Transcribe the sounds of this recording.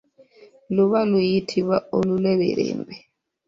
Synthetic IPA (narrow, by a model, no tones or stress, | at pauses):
luβalujitʰiβaolulɛβɛ̰ɾɛ̰ːmbɛ